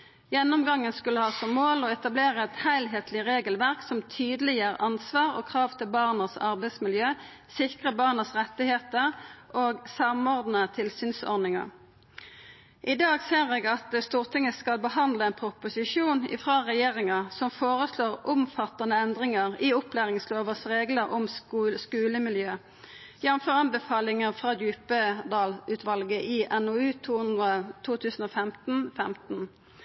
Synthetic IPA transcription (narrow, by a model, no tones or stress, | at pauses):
jɛnːʊmɡɑŋːənskʉləhɑːsɔmːoːlɔːɛt̪ɑbleːʁəɛt̪hæɪlɦeːt̪ʰlɪʁeːɡəlʋæʁksɔmt̪ʰyːd̪əlɪjəːɾʔɑnsʋɑːʁo̰ːkʰʁɑːʋt̪ʰɪlbɑʁnəsɑʁbæɪsmɪljøː | sɪkʁəbɑʁnəsʁɛt̪ːɪheːt̪əʁʔoːɡsɑmɔʁd̪n̩ət̪ʰɪlsyːnsɔ̰ʁnɪŋɑ̰ʁ | ʔɪd̪ɑːɡseːʁeːɡɑt̪əst̪uːʁt̪ʰɪŋəskɑlbəhɑnd̪ləɛːnpʰʁʊpʊsɪʃuːnɪ̰fʁɑːʁɛjeːʁɪŋəʁsɔmfoːʁəsloːʁʔʊmfɑt̪ɑnəɛnd̪ʁɪŋəʁɪʊplæːʁɪŋsloːʋəsʁeːɡləʁɔmskʉːləmɪljøː | jænəmfɔʁɑnbəfɑːlɪŋəʁfʁɑːd̪jʉːpəd̪ɑːlʉːt̪ʋɑlɡəʔɪʔɛnoːʉːt̪ʰuːnd̪ʁət̪ʰuːt̪ʰʉːsn̩oːfɛmt̪n̩fɛmt̪n̩